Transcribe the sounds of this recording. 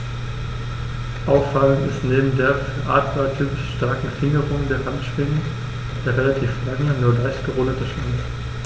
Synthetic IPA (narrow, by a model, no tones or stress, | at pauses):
ʔaʊfalʊŋɪ̰stneːbm̩deːɐfɐʔa̰ːtʁ̥atʰyːpɪʃʃtaɐkŋ̩fɪŋəʁʊŋdeːɐɦantʃv̥ɪŋə | d̥eːʁelatʰiːflaŋənuːɐlaɪçtɡ̥əʁʊːdətəʃanst